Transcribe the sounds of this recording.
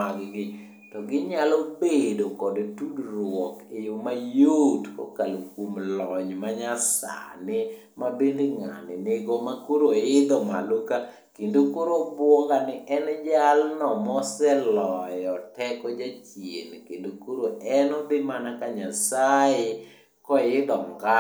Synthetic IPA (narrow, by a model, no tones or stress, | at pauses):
aɡɡɪ | tɔɡɪɲalobedokɔdtudɾwɔkejomajotko̰kalokwomlɔɲmaɲasa̰nɪ | mabendeŋa̰nɪneɡomakoɾoɪd̪ɔmaloka | kendokoɾobwɔŋɡanɪʔɛnd͡ʒalnɔmɔsɛlɔjɔtɛkɔd͡ʒat͡ʃjḛnkendokoɾoɛnɔbɪmanakaɲasaɪ | kɔjɪd̪ɔmɡa